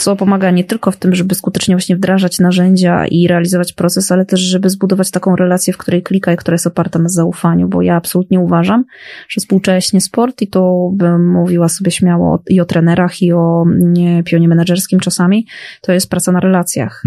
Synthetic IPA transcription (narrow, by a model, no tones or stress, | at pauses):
t̪ɔpɔmaɡaɲɛt̪ɘlkɔft̪ɘmʐɛbɘskut̪ɛt͡ʂɲɛvwaɕɲɛvd̪ɾaʐat͡ɕnaʐɛɲd͡ʑa̰ḭɾɛalʲizɔvat͡ɕpɾɔt̪sɛsalɛt̪ɛʐʐɛbɘzbud̪ɔvat͡ɕt̪akɔ̃w̃ɾɛlat̪sʲjɛfkt̪uɾɛjklʲikajikt̪uɾajɛst̪ɔpaɾt̪anazaufaɲṵbɔ̰jaːpsɔlut̪ɲɛuvaʐamʐ̥ɛfspuwt͡ʂɛɕɲɛspɔɾt̪it̪ɔbɘːuvʲiwasɔbʲjɛɕmʲjawɔ̰iɔt̪ɾɛnɛɾaxiɔ | pʲjɔɲɛmɛnaʐɛɾskʲimt͡ʂasamʲit̪ɔjɛst̪pɾat̪sanaɾɛlat̪sʲja̰x